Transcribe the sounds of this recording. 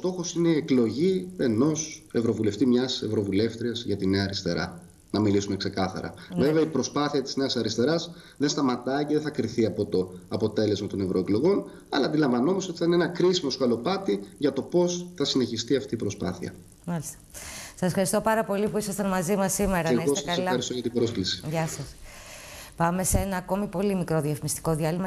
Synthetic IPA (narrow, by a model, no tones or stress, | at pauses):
ost̪o̞xo̞sine̞ieklo̞ʝie̞no̞se̞vɾo̞vule̞ft̪imɲɐse̞vɾo̞vule̞ft̪ɾiɐzʝɐt̪ine̞ɐːɾist̪e̞̰ɾɐ̰ | nɐmilisune̞kse̞kɐθɐ̰ɾɐ̰veveɐipɾo̞spɐθiɐt̪i̥zne̞ɐsɐɾist̪e̞ɾɐz | ðenst̪ɐmɐt̪ɐiceðeθɐkɾiθiɐpo̞t̪o̞ɐpo̞t̪e̞le̞zmɐt̪o̞ne̞vɾo̞e̞klo̞ɣo̞n | ɐlɐːnd̪ilɐɱvɐno̞mosot̪i̥θɐinenɐkɾisimo̞skɐlo̞pɐt̪iʝɐt̪o̞po̞sθɐsine̞çist̪iɐft̪iːpɾo̞spɐ̰θiɐ̰ | mɐlist̪ɐ̥sɐsfxɐɾist̪o̞pɐɾɐpo̞lipuisɐst̪ɐnmɐzimɐsːime̞ɾɐeɣoseɐsɐlɐɐɾist̪oɣɐt̪ibɾo̞sklisi̥ʝɐsɐs | pɐme̞see̞nɐːko̞mipo̞limikɾo̞ðiɐfmist̪i̥ko̞ðiɐlimɐ